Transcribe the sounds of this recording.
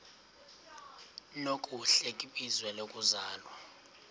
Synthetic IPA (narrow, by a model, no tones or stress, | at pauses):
nokʼuɬɛkʼiɓʼizwɛlokʼuzaːlwa